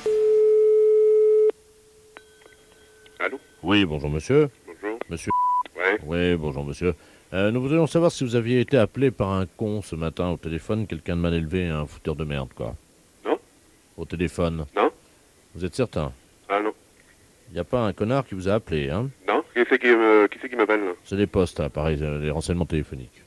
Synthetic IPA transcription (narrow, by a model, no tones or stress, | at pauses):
alo | wibɔ̃ʒuʁməsjøbɔ̃ʒuːʁməsjøwɛwibɔ̃ʒuʁməsjø | nuvud̪ʁijɔ̃savwaʁsivuzavjeːt̪eaplepaʁɛ̃kɔ̃səmat̪ɛ̃ot̪elefɔnkʲɛlkʲɛ̃d̪əmanelveɛ̃fu̥t̪œʁd̪əmɛ̰ʁd̪kwa̰ | nɔ̃ | ot̪elefɔnnɔ̃ | vuzɛt̪sɛʁt̪ɛ̰̃ | anɔ̃ | iljapaɛ̃kɔnaʁkʲivuzaːpleɛ̃nɔ̃kifɛkʲiməkʲifɛkʲimapɛlsɛlepɔst̪apaʁɛjleʁɑ̃sɛɲmɑ̃t̪elefɔnḭk